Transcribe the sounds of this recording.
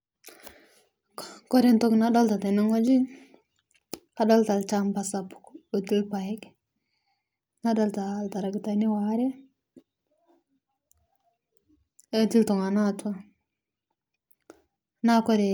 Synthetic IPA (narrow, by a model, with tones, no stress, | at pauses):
ko˦ɾe˦nto˦kna˦da˦lta˨te˨no˦ŋo˦d͡ʒi˦ | ka˨ɗa˦lta˨lt͡ʃa˦mba˨sa˨pko˨ti˦lpa˨ji˦k | na˦da˦lta˨lta˨ɾa˨ɡta˨ni˦wa˦ɾe˦ | o˦ti˦lto˨ŋa˨na˦ta˦˨ | na˦ko˦ɾe˨